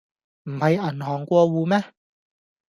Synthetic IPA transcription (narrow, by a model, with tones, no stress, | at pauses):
m̩˨˩hɐ˨jɐ˨˩nɦɔː˨˩ŋkʷɔː˧wuː˨˧mɛː˥